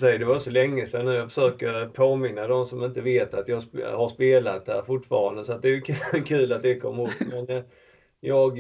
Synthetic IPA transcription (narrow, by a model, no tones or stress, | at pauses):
sɛjəd̪ɛvaɾsɔlɛŋːəsɛnːʉjɑɡfə̥ʂøːkəɾpʰoːmɪnːad̪ɔmsɔmɪnt̪əveːt̪at̪jɑhaʂpeːlat̪hæ̰ːɾfʊʈfɑ̰ːɾand̪əsɔat̪̚d̪ɛæjɵkʰːkʰʉ̟ːlat̪̚d̪ɛkʰɔ̰mːhoːt̪mɛn | jɑːɡ